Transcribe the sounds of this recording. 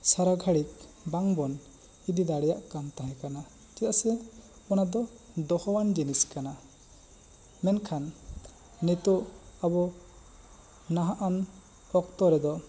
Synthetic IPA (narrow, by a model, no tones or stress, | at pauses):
saɾaɡʱaɽik̚baŋbɔn | id̪id̪aɽɛjaʔkamt̪aɦɛ̃kana | d͡ʒt̪asɛ | ɔnad̪ɔ | d̪ɔhɔwand͡ʒiniskana | mɛnkʰanː | it̪ɔʔabɔ | naɦaʔan | ɔkt̪ɔɾɛd̪ɔ